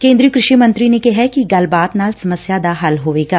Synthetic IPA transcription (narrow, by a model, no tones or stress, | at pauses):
kẽːnd̪ɾijokɾɪʃimɐ̃nt̪ɾinekɛɦɛkiɡɐlbaːt̪naːlsɐməsjad̪aɦɐlɦoːʋeːɡaː